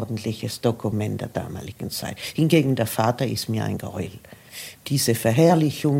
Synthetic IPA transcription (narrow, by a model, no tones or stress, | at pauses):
dn̩tʰlɪçəsd̥okʰumɛntd̥eːɐd̥a̰ːma̰ːlɪɡ̥n̩t͡sa̰ɪthɪnɡeːɡŋ̩deːɐfaːtɐɪstmiːɐʔa̰ɪnɡ̥əɔ̰ʏl | d̥iːzəfɛɐɦɛːɐlɪçʊŋ